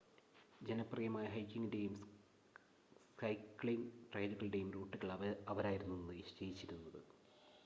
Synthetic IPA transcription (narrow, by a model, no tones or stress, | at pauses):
d͡ʑe̞nɐprɐjɐmaːjɐɦɐjkʲːiŋɡinde̞jum | skɐjkːɭiŋɡʈrejd̪uɣɐɭiɽe̞jumɾuːʈːuɣɐɭɐʋɐɾaːjiɾunːunːɨiɕt͡ɕejit͡ɕːiɾunːɐðɨ